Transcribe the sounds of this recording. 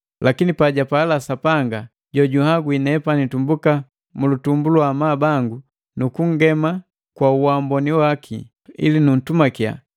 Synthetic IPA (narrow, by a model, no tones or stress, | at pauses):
lʔakinipaɟapaːlasapaŋɡa | ɟɔɟuhaɡwinɛpanitumbuka | mulutumbuluwamaːbaŋɡu | nukuŋ̩ɡɛma | kwauwambɔniwakʰḭ | ḭlinun̩tumakja̰